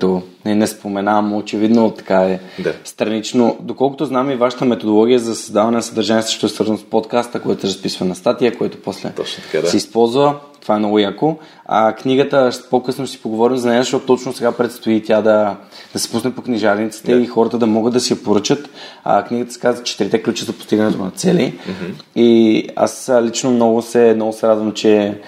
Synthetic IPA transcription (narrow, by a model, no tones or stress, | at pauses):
t̪oninɛspomɛnamot͡ʃɛvid̪not̪ɐ̥kaɛast̪ɾɐnit͡ʃnod̪okɔlˠko̥t̪oznamivaʃə̥t̪əmɛt̪od̪olˠɔɡ̟ʲijəzɐsɐzd̪avɐnɛnɐsəd̪ɐɾʒaniɛsə̥ʃot̪oɛsvəɾzənospot̪kast̪əkoɛt̪osɛɾɐspisvənɐst̪at̪ijəkojɛt̪o̥poslɛ̰sɛispɔlˠzvət̪ov̥aɛmnɔɡʊjako | a̰kniɡət̪əpokɤsnosi̥poɡovɔɾimzɐnɛzɐʃt̪oɔt̪t̪ɔt͡ʃnʊsɛɡapɾɛt̪st̪oit̪ʲjad̪ɐd̪ɐsi̥pusnɛpokniʒaɾnit̪si̥t̪ɛixɔɾət̪əd̪ɐmɔɡəd̪ɐsiɐpoɾɤt͡ʃət̪a̰kniɡət̪ə̥sʲɛ̥kazvət͡ʃɛ̥t̪iɾit̪ɛklʲut͡ʃɛzɐpo̥st̪iɡənɛt̪onɐt̪sɛli | ia̰slit͡ʃnomnɔɡʊsɛmnɔɡʊsɛɾad̪vəmt͡ʃɛ